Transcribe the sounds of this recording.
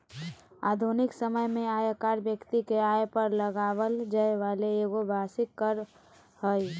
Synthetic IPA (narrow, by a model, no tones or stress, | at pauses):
a̰ːd̪ʱunɪksəməjmẽaːjakaːɾbjəkt̪ikeajpəɾləɡawəld͡ʒəeʋaleeɡobʱasɪkːəɾ | həj